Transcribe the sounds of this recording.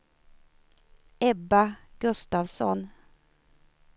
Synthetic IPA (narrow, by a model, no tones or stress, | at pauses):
ɛbɑɡ̥ʉst̪ɑːʋsɔ̰n